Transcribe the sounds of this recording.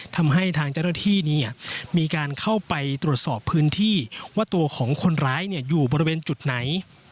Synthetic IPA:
t̪ʰa˧mɦa˥˩jt̪ʰaː˧ŋt͡ɕa˥˩wnaː˥˩t̪ʰiː˥˩niː˦˥˩miː˧kaː˧nkʰa˥˩wpa˧jt̪ɾu˨˩ət̪̚sɔː˨˩pʰːɯː˦˥nt̪ʰiː˥˩waː˥˩t̪u˧ɐkʰɔː˩˦ŋkʰo˧nɾaː˦˥jni˥˩ɐjuː˨˩bɔː˧ɾi˧weː˧nt͡ɕu˨˩t̪̚na˩˦j

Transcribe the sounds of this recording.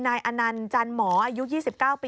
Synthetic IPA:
naː˧jʔa˧na˧nt͡ɕaː˧nmɔː˩˦ʔa˧ju˦˥ʔjiː˥˩si˨˩p̚kaː˥˩wpiː˧

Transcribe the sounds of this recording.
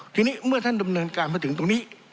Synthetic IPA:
t͡ɕ̪oː˧niː˦˥mɯ˥˩ɐt̪ʰa˥˩nda˧mnɤː˧nkaː˧nmʰa˥˩t̪ʰɯ˩˦t̪o˧niː˦˥˩

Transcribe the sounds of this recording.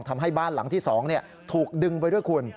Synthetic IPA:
ŋt̪ʰa˧mɦa˥˩jbaː˥˩nla˩˦ŋt̪ʰiː˥˩sɔː˩˦ŋni˥˩ɐ | t̪ʰuː˨˩k̚dɯ˧ŋp̬a˧jdu˥˩jkʰu˧ən

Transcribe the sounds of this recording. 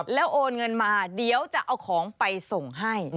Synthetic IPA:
lɛː˦˥wʔoː˧nŋɤ˧nmaː˧di˨˧əwt͡ɕa˨˩ʔa˧wkʰɔː˩˦ŋpa˧jso˨˩ŋɦa˥˩j

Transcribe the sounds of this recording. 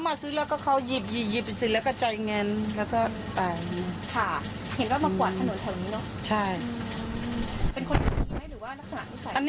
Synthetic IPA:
maː˧sɯː˦˥lɛː˦˥wkɔː˥˩kʰa˦˥wji˨˩p̚ji˨˩ji˨˩pi˨˩si˧˩lɛ˦˥wkɔː˥˩t͡ɕa˧jŋɛ˧nlɛː˦˥wkɔː˥˩ | t̪aː˨˩ni˧˩kʰa˥˩he˩˦nwaː˥˩maː˧kwt̪ʰa˧no˨˩˦nt̪ʰa˨˩wniː˦˥nɔ˦˥ʔt͡ɕʰa˥˩j | pe˧nkʰo˧nʰa˨˩iː˧ha˥˩ɾɯː˨˩˦waː˥˩la˦˥k̚sa˧na̰˨ʔi˦˥sa˨˩˨ʔa˧nː

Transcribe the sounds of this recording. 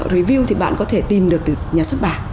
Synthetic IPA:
ɾi˨˦vi˧wt̪ʰi˨˩ɓa̰ː˧˨nkɔ˨˦t̪ʰe˧˩t̪i˨˩mɗɨ˨˩ək̚t̪ɨ˨˩ɲaː˨˩swə˦˥t̚ɓaː˧˨˩

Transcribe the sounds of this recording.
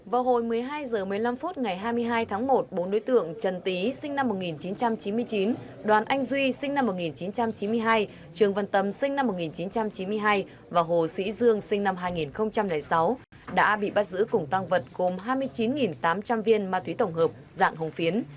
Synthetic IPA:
vaː˨˩ɦo˧˨˩jmɨ˨˩əjɦaː˧jzəː˨˩mɨ˨˩əjla˧mfu˦˥t̚ŋa˨˩jɦaː˧jmɨ˧əjɦaː˧jt̪ʰaː˨˦ŋmo˨˩t̚ɓo˨˦nɗo˨˦jt̪ɨ̰˧˨əŋt͡ɕə˨˩nt̪i˨˦sï˧ŋ̟na˧mːo˨˩t̚ŋi˨˩nt͡ɕi˨˦nt͡ɕa˧mt͡ɕi˨˦nmɨ˧əjt͡ɕi˨˦n | ɗwaː˨˩nʔa˧jŋ̟zwi˧sï˧ŋna˧mːo˨˩t̚ŋi˨˩nt͡ɕi˨˦nt͡ɕa˧mt͡ɕi˨˦nmɨ˧əjɦaː˧j | t͡ɕɨ˨˩əŋvə˨˩nt̪ə˨˩msï˧ŋ̟na˧mːo˨˩t̚ŋi˨˩nt͡ɕi˨˦nt͡ɕa˧mt͡ɕi˨˦nmɨ˧əjɦaː˧j | vaː˨˩ɦo˨˩sḭ˧˥zɨ˧əŋsï˧ŋ̟na˧mɦaː˧jŋi˨˩nxə˧wŋ͡mt͡ɕa˧mla˨˩jsa˨˦w | ɗa̰ː˧˥ɓḭ˧˨ɓaː˧˥t̚zɨ̰˧˥kʊ˨˩ŋ͡mt̪a˧ŋvə˨˩t̚ɣo˨˩mɦaː˧jmɨ˧əjt͡ɕi˨˦nŋi˨˩nt̪aː˨˦mt͡ɕa˧mvi˧ənmaː˧t̪wi˨˦t̪ə˧˩wŋ͡mɦəː˨˩p̚za̰ː˧˨ŋɦə˨˩wŋ͡mfi˨˦ən

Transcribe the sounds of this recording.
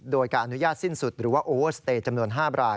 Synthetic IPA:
doː˧jkaː˧˩ʔa˧nu˦˥jaː˥˩t̪̚si˥˩nsu˨˩t̪̚ɾɯː˩˦waː˥˩ʔoː˧wɤː˥˩st̪eː˧t̪̚t͡ɕa˧mnu˧ənɦaː˥˩ɾaː˧

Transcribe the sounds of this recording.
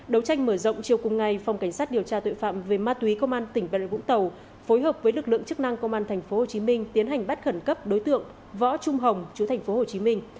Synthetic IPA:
ɗə˨˦wt͡ɕa˧jŋ̟məː˧˩zə̰˧˨wŋ͡mt͡ɕi˨˩əwkʊ˨˩ŋ͡mŋa˨˩jfa˨˩wŋ͡mka˧˩ŋ̟saː˦˥t̚ɗi˨˩əwt͡ɕaː˧t̪o̰˧˨jfa̰ː˧˨mve˨˩maː˧t̪wi˨˦kə˧wŋ͡mʔaː˧nt̪ï˧˩ŋ̟ɓa̰˧˨vʊ̰˧˥ŋ͡mt̪ə˨˩w | fo˨˦jɦəː˨˩p̚vəː˨˦jlɨ˨˩k̚lɨ̰˧˨əŋt͡ɕɨ˦˥k̚na˧ŋkə˧wŋ͡mʔaː˧nt̪ʰɛ˨˩ŋ̟fo˨˦ho˨˩t͡ɕi˨˦mï˧ŋ̟t̪i˨˦ənɦa˨˩ŋ̟ɓt̚xə˧˩nkə˦˥p̚ɗo˨˦jt̪ɨ̰˧˨əŋ | vɔ̰˧˥t͡ɕʊ˧ŋ͡mɦə˨˩wŋ͡mt͡ɕu˨˦t̪ʰa˨˩ŋ̟fo˨˦ho˨˩t͡ɕi˨˦mï˧ŋ̟

